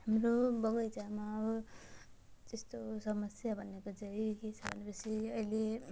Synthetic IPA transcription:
ɦamɾobʌɡʌjd͡zamaːbʌ | t̪est̪osʌmʌsjabʱʌnekod͡zʌjket͡sʰʌbʱʌ̰nepʌsʰiʌile

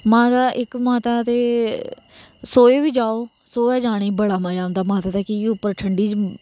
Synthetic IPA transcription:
maːt̪aːʔɪkmaːt̪aːt̪eː | soːeːʋiːd͡ʒaːoː | soːɛːd͡ʒaːɽ̃eːbəɽaːmãːd͡ʒãːʊnd̪aːmaːt̪aːt̪aːkiːʊpːəɾʈʰəɳɖiːd͡ʒ

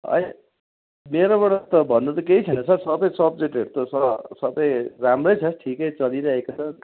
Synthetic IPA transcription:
ʌ̰j | meɾoβʌɽʌt̪ʌbʱʌnːut̪ʌkeit͡sʰʌnʌt͡sʰʌsʌbʌjsʌb̚d͡zeʈɦeɾt̪osʌsʌbʌjramrʌjt͡sʰʌʈʰikʌjt͡sʌliɾʌɦekot͡sʰʌ

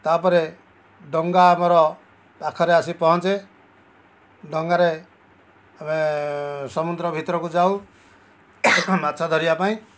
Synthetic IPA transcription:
t̪apɔɾe | ɖɔŋɡaːmɔɾɔ | pakʰɔɾeasipɔɦɔ̃nt͡se | ɖɔŋɡaɾe | ame | sɔmud̪ɾɔbʱit̪ɾɔkud͡zaũ | mat̪sʰad̪ʱɔɾijapaĩ

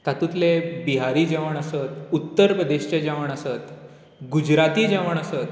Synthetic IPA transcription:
t̪at̪ut̪lebiɦaɾiːd͡ʑaʋəɳ̃əsət̪ut̪ːəɾpɾəd̪eɕt͡ɕad͡ʑaʋəɳ̃əsət̪ | ɡud͡ʑɾat̪iːd͡ʑaʋəɳ̃əsət̪

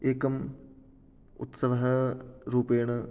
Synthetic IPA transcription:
eːkɐm | ṵt̪sɐʋɐɦɐɾuːpeːɳɨ

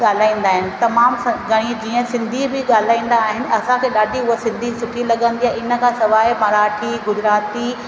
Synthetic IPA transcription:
aːl̤aːĩːn̆d̪aːɦɪnɪ̆t̪ɐmaːmsɡɐɽ̃id͡ʑiːə̃sɪ̃nd̪ʱibɪɠaːl̤aːĩːn̆d̪aːɦɪnɪ̆ɐsãkʰeːɗaːɖʱiʊɦosɪ̃nd̪ʱisʊʈʰilɐɠə̃nd̪iaɦɪnə̆kʰãsɐʋaːɪmɐɾaːʈʰiɡʊd͡ʑɾaːt̪i

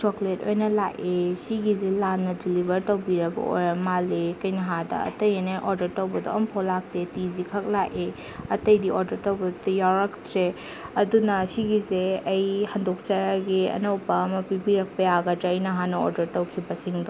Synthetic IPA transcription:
t͡ʃokleto̰jnɐla̰ʔesiɡizelanːɐdilibɐɾtɐwbiɾɐbɐ̰o̰jɾɐmːalekɐjnɐɦadɐ̰ɐ̰tɐjeneʔoɾdɐɾtɐwbɐdoɐmpʰɔlak̚tetizikʰɐk̚laʔe | ɐtɐjdioɾdɐɾtɐwbɐdjawɾɐk̚tɾe | ɐdunɐsiɡizeɐjhɐndok̚t͡ʃaɾaɡiɐ̰nɐwpɐmɐpibiɾɐk̚pɐjaɡɐtaɐjnɐɦanɐo̰ɾdɐɾtɐwkʰibɐsiŋdɔ

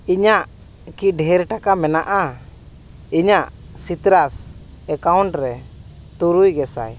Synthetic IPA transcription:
iɲaʔ | kiɖʱɛɾʈakamɛnaʔa | iɲaʔsit̪ɾas | ɛkawɳʈɾɛt̪uɾujɡɛsa̰j

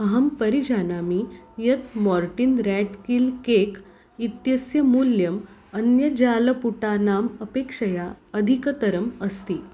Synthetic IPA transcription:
əɦəmpəɾid͡ʑʱanamiːjət̪mɔɾʈinɾæʈkilkek | it̪jəsjəmuljəm | ənjəd͡ʑaləpuʈanaməpekʂəjaəd̪ʱikət̪əɾəməst̪iː

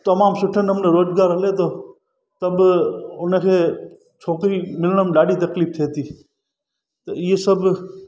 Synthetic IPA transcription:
t̪ɐmaːmsʊʈʰənəmneɾoːd͡ʒɡaːɾɦəlet̪oː | t̪əbʊnkʰeː | t͡ʃʰoːkɾimɪlɳ̃əmɖaːɖiːt̪ɐkliːp̚t̪ʰeːt̪iː | t̪oɪesəb

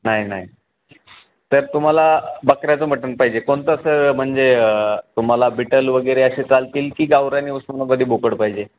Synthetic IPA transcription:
naɦinaɦi | t̪əɾt̪um̤alabəkɾjat͡səm̤əʈənpaɦid͡ʑekoɳt̪əəsəm̤əɳd͡zeət̪um̤alabiʈəlʋəɡəjɾeəɕet͡salt̪iːlkiːɡaʋɾaniusmənapəd̪ʱiːbokəɽpaɦid͡ʑe

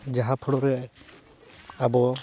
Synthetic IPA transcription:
d͡ʒaɦapʰɔɽɔɾɛʔ | abɔ

